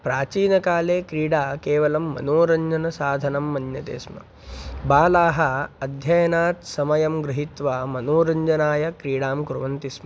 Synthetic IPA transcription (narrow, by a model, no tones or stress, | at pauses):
pɾaːt͡ʃiːnɐkaːleːkɾiːɽaːkeːʋɐlɐmːɐ̰noːɾɐɲd͡ʒɐnɐsaːd̪ʱɐnɐmːɐnjɐt̪ḛːsmɐ̰ | baːlaːɦɐɐd̪ʱjɐjɐnaːt̪sɐmɐjɐmɡɾɪɦit̪ʋaːmɐnoːɾɐɲd͡ʒɐnaːjɐkɾiːɽaːmkɾuʋɐnt̪ismɐ